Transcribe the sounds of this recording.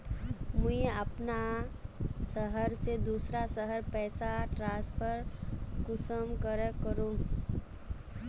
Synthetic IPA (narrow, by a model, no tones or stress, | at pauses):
mʊ̃eəpna | səɦəɾsed̪uːsɾasəɦəɾpɛːsaʈɾãːspʰəɾkʊsəmkəɾəkəɾũː